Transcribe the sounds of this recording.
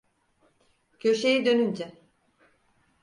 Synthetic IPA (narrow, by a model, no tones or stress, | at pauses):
cʰø̞ʃejid̪ønynd͡ʒɛ